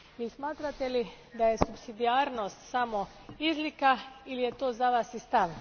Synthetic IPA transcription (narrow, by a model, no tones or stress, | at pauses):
ismaːt̪ɾat̪eli | d̪aje̞supsid̪iaːɾnost̪samo̞ | izlikailije̞t̪oːzaʋaːsist̪aʋ